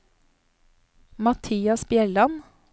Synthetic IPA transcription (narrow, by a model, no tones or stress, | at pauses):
mɑt̪ʰiːɑsbjɛlɑn